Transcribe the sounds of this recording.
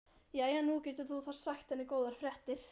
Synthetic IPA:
jɛːjɛnːucɛːt̪ʏɾθuθassaxt̪hɛnːɪkoːwðaɾ̥fɾɛht̪ɪɾ̥

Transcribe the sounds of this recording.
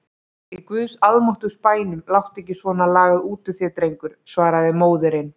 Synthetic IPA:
ikvʏðsaðmɔht̪ʏspaːjnʏmlawht̪ɛhcːɪsvɔːnalaːɣaðuːt̪ʏθjɛt̪ɾejŋkʏɾ̥svaːɾaðɪmoːwðʏɾɪn

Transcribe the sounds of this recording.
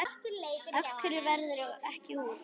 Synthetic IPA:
œfkʏɾɪvɛɾðʏɾaɛhcɪhuː

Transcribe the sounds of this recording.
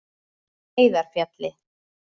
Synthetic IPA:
eːjðaɾ̥fjat̪lɪ

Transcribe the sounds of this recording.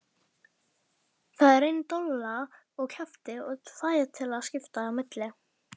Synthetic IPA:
θaðɛɾejnt̪ola | ɔɣkʰɛft̪ɪɔθaːjðɪt̪ʰɪlaðscɪft̪aawmɪt̪lɪ

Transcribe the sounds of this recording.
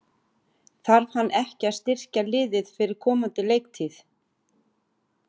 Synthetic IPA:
θaɾv̥hanːʔɛhcɪḁst̪ɪr̥calɪːðɪðfɪɾɪɾ̥kʰɔːmant̪ɪlejk̚t̪ʰiθ

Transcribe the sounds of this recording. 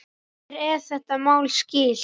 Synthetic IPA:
ɛɾɛθɛht̪amaːwlscɪːl̥

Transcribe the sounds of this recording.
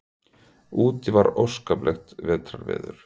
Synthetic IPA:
uːt̪ɪvaɾowskaplɛxt̪vɛːt̪ʰɾaɾvɛ̰ːðʏɾ̥

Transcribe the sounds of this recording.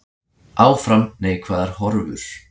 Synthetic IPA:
ʔaːwfɾamneːjkʰvaːðaɾ̥hɔɾvʏ̰θ

